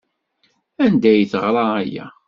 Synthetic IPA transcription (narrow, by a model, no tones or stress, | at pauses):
ænd̪æjθəʁɾˤɑæjæ̰